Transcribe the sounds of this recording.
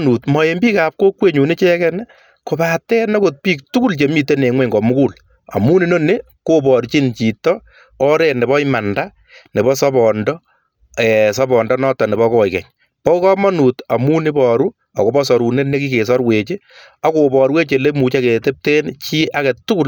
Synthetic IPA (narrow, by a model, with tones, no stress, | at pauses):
nu˨tmɔ˨e˨mbiː˦kap̚ko˦kwe˦ɲu˨ne˦t͡ʃe˦kɛn | ko˨ba˨tɛ˦nɔ˦ko˨t̚piː˦k̚tu˦ku˦lt͡ʃe˨mi˦te˦ne˨ŋwɛ˦ŋɡɔ˨mu˦ku˦l | a̰˨mu˦ni˨no˦ne˦ | ko˦pɔ˨ɾt͡ʃi˦nt͡ʃi˨tɔ˦ | ɔ˦ɾe˨ne˨βɔ˦ima˨nda˦ | ne˨βɔ˦sɔ˦bɔ˨ndɔ | ɛ˨sɔ˦bɔ˨ndɔ˦nɔ˦tːɔ˨ne˨βɔ˦kɔ˨jkɛ̰˨ɲ | pɔ˦u˦kɔ˦mɔ˦nu˨ta˨mu˦ni˦bɔɾu˦ | a̰˨ko˦bɔ˦sɔ˨ɾu˨ne˦ne˦ki˦ke˨s̬ɔ˦ɾwe˨t͡ʃe˦ | a˨ko˨bɔ˨ɾwe˦t͡ʃe˨le˦mu˨t͡ʃa˦ke˨te˦p̚te˦nt͡ʃi˦ʔa˦kɛ˨tu˦ku˦